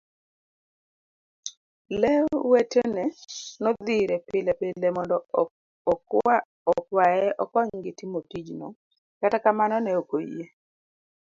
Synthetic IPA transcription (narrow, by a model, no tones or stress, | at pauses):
lɛwetenɛnɔd̪iɾɛpɪlɛpelemɔndɔ | a | ɔkwajɛʔɔkɔɲŋɡɪtimotid͡ʒno̰ | katakamanɔnɛokoḭje